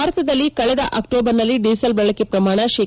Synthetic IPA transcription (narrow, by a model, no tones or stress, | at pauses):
aːɾɐt̪ʰɐd̪ɐlːikɐɭɛd̪ɐʔɐkʈoːbɐɾnɐlːiɖiːsɐlbɐɭɐkepɾɐmaːɳɐʃeː